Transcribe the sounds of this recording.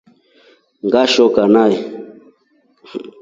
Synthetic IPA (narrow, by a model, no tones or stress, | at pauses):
ŋ̩ɡaʃɔkanai